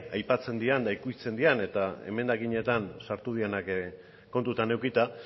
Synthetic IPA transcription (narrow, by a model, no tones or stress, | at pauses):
ajpat͡se̞nd̪iand̪aikuit͡se̞nd̪iane̞t̪ae̞̰me̞nd̪aɣiɲe̞t̪ansaɾt̪uð̞ienak | ko̞nt̪ut̪ane̞wkit̪a